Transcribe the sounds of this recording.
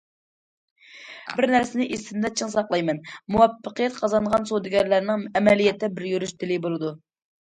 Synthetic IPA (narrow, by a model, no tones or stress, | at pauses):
bɪɾnæɾsɪnɪʔest̪ɪnd̪ɛt͡ʃʰəŋsɑqlˠɑjmɛnmuwɑpːəqəjɛt̪̚qʰɑzɑnʁɑnsod̪ɪɡʲɛɾlæɾnɪŋɛmɛlijɛt̪ʰːɛbɪɾjøɾyʃt̪ʰɪlɪbolˠɨd̪u